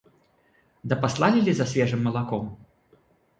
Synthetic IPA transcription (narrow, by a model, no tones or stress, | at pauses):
d̪ɐpaslˠalʲilʲizɐsʲvʲɛʐɨmːɐlˠakɔm